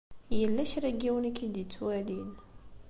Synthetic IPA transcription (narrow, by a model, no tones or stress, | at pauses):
jəlːæçɾæɡiwənikːid̪ət͡sːwælin